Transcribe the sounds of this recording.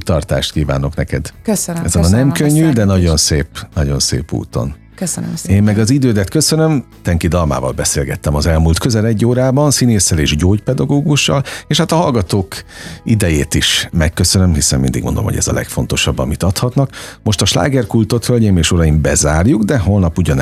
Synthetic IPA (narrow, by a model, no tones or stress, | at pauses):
t̪ɒrt̪a̰ːʃt̪̚kiːva̰ːno̞knɛkɛd̪køɛzonnɛmkøɲːyd̪ɛnɒɟo̞nseːpnɒɟo̞nsḛːpṵːt̪o̞̰n | keːmːɛɡɒzid̪øːd̪ɛt̪køsønømt̪ɛŋkid̪ɒlma̰ːvɒ̰lbɛseːlɡɛt̪ːɛmɒzɛlmuːlt̪køzɛlɛɟːoːɾaːbɒnsineːsːɛleːʒɟoːɟpɛd̪ɒɡoːɡuʃːɒ̰leːʃhat̪ɒɦɒlɡɒt̪oːkid̪ɛjeːt̪iʃmɛkːø̞sønømɦisɛmmḭnd̪ḭɡmond̪o̰mhoɟɛ̰zɒ̰lɛ̰kfon̪t̪o̞ʃɒbːɒ̰mit̪ɒt̪hɒt̪nɒkmo̞ʃt̪ɒʃla̰ːɡɛrkult̪o̞t̪hølɲeːmeːʃoɾɒimbɛzaːrjuɡd̪ɛɦolnɒpuɟɒn